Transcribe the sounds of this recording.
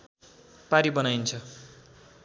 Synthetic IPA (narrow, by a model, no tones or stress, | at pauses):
paɾibʌnajnt͡sʰʌ